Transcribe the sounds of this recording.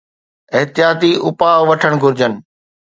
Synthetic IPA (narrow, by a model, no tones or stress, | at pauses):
ɪɦt̪ɪjaːt̪iʊpaːʋɐʈʰəɽ̃ɡʱʊɾɪd͡ʑənɪ̆